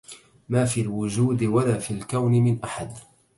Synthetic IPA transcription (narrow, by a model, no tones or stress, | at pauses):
maːfiːlwʊd͡ʒuːd̪ɪwalaːfiːlkawnɪmɪnʔaħad̪